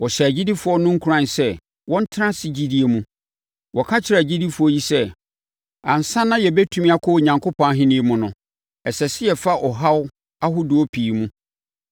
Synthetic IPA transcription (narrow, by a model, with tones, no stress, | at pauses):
wɔ˨ɕɛ˨æ˨d͡ʑi˦di˦fʊ˨˦ɔ˦nʊ̃˦ŋ̩˦kʰu˨ɾã˦˨nsɛ˦˨ | wɔ̃˦n̩˦tʰɪ˦nã˦si˦d͡ʑi˦di˦e˨mũ˦ | wɔ˨kʰa˦t͡ɕʰɪ˨ɾa˨d͡ʑi˦di˦fʊ˨˦ɔ˦ji˦sɛ˦ | ã˨n̩˨sã˦nːã˦jɛ˨bɛ˦tʰũ˦mĩ˦a˦kʰɔ˦˨ɲã˨ŋkʰo˦pʰɔ̃˨a˦ɦɪ̃˦nĩ˦e˦mʊ̃˦nʊ̃˨ | ɛ˨sɛ˨sɪ˦jɛ˨fa˦ʔɔ˨ɦa˦w | a˦ɦʊ˦dʊ˨ɔ˦pʰiː˨mũ˦